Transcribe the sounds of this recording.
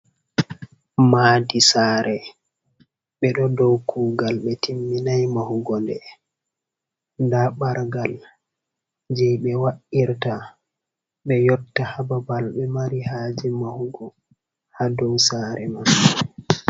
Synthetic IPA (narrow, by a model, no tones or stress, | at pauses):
maːdisaːɾɛ | ɓɛɗɔdɔwkʰuːɡalɓɛtʰimːinajmahuɡɔndɛ | ndaɓaɾɡal | d͡ʒɛjɓɛwaʔiɾta | ɓɛjɔtːahababalɓɛmaɾihaːd͡ʒimahuɡɔ | hadɔwsaːɾɛman